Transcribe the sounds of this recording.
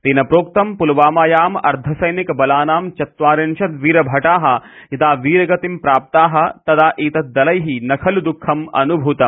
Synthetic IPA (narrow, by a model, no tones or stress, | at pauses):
t̪iːnɐpɾoːk̚t̪ɐmpulʋaːmaːjaːmɐ̰ɾd̪ʱɐsɐjnikɐbɐlaːnaːmt͡ʃɐt̪ʋaːɾinʃɐt̪ʋiːɾɐbʱɐʈaːɦɐ̆ | it̪aːʋiːɾɐɡɐt̪impɾaːp̚t̪aːɦɐ̆t̪ɐd̪aːʔiːt̪ɐt̪̚d̪ɐlɐjɦinɐkʰɐld̪ukʰːɐmɐ̰nubʱut̪ɐm